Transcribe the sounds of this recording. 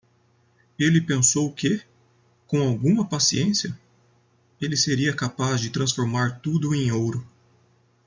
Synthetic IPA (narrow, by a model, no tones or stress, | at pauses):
elɪpẽsowkɪ | kõw̃awɡũmɐpasiẽsiɐ | elɪseɾiɐkapazd͡ʒɪt̪ɾɐ̃sfoɾmaɾt̪ud̪ʊẽj̃owɾʊ